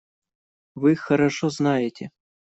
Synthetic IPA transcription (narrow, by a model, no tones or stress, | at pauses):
ʋɨxɐɾɐʂɔznajɪtʲɛ